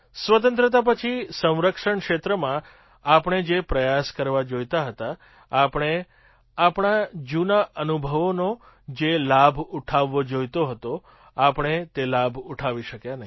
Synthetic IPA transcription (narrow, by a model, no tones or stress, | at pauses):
sʋət̪ə̃nt̪ɾət̪̬ap̬ət͡ʃʰisə̃w̃ɾəkʃəɳkʃet̪ɾəmã | apəɳ̃ed͡ʒepɾəjaskəɾʋad͡ʒojt̪aɦət̪aː | pɳ̃e | apɳ̃ad͡ʒunaʔənubʱəʋono | d͡ʒelabʱuʈʰaʋːod͡ʒojt̪oɦət̪o | apəɽ̃et̪elabʱuʈʰaʋiʃəkjanəɦi